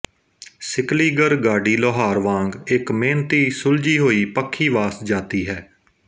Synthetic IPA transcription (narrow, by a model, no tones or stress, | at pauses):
sɪkliːɡəɾɡaːɖiːloːɦaːɾʋãːŋɡɪkmẽːnt̪iːsʊld͡ʒiːɦoːiːpəkʰːiːʋaːsd͡ʒaːt̪iːɦɛː